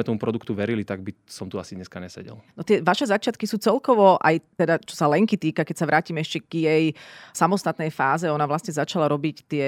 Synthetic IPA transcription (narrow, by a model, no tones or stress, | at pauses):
ɛt̪ɔmupɾɔd̪ukt̪uʋɛɾilit̪aɡ̚bisɔmt̪uasiɲɛskaɲɛsɛ̰ɟɛ̰lnɔt̪ɪɛʋaʃɛzat͡ʃɪat̪kisuːt͡sɛlkɔʋɔʔa̰jt̪ɛd̪at͡ʃɔ̥salɛŋkit̪iːkakɛcsaʋɾaːciːmɛɛʃcɛɡ̥jɛjsamɔst̪at̪nɛjfaːzɛɔnaʋlasɲɛzat͡ʃalaɾɔbict̪ɪɛ